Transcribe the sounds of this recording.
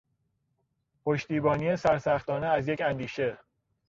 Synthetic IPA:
pʰoʃt̪iːbɒːniesæɾsæxt̪ɒːneæzjecʰænd̪iːʃe̞

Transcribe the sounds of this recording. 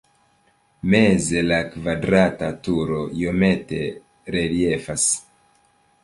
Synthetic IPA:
meze̞lakvadɾatatuɾo̞ijo̞me̞te̞̰ | ɾelie̞fas

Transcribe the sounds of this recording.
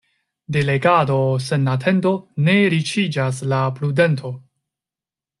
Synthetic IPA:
de̞le̞ɡado̞se̞natʰe̞ndo̞ne̞ɾit͡ʃid͡ʒas̬lapɾude̞ntʰo̞

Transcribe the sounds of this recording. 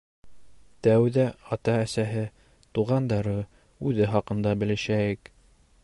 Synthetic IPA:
t̪æwðæɑt̪ɑæsæɦɘ | t̪uʁɑnd̪ɑɾɤ | ʉðɘχɑqɤ̆nd̪ɑbɘ̆lɘ̆ʃæjɘk

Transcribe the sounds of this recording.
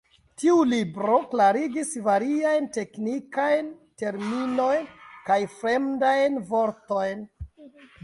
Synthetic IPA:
tiulibɾo̞klaɾiɡisvaɾiajnte̞knikajnte̞ɾmino̞jnkajfɾe̞mdajnvo̞ɾto̞jn

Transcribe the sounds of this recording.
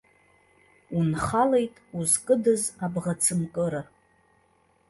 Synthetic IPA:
unχale̞jtʼuzkʼɨdɨzabʁat͡sʰɨmkʼɨɾa

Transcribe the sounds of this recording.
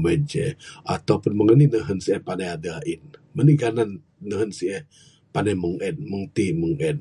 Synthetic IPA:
məd͡ʒɛa̰t̪awpʊnməŋəninəɦənsiɛhpanajadainməniɡananː | əɦənsiɛh | panajməŋʔənməŋt̪iməŋən

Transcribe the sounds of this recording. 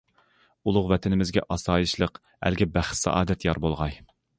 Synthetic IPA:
ulˠʊqvɛt̪ʰɪnɪmɪzɡʲɛ̰ʔɑsɑːjɨʃlˠəq | æ̰lɡʲɛbæχt̪sɑ̰ʔɑːd̪ɛt̪jɑɾbolˠʁɑj

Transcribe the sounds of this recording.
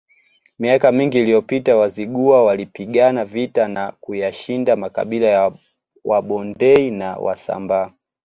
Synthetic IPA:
miakamiŋɡiːlijɔpitawaziɠuawalipiɠanavitanakujaʃindamaka̰ɓilaja | waɓɔndɛinawʔa̰sa̰mba

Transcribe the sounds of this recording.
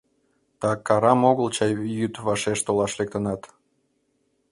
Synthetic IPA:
t̪ɑkɑɾɑmoɣəlt͡ɕɑjjyt̪βɑʃeʃt̪olɑʃlek̚t̪ənɑt̪

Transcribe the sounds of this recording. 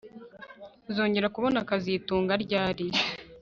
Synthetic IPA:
zoːɲɟe̞ɾakuβo̞nakazituːŋɡaɾɟaːɾi

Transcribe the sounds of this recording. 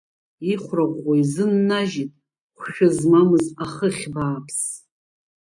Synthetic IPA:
iχʷraʁʷaizɨnːaʒitʼ | χʷʃᶣʊzmamɨzaχəχʲbaːpʰs

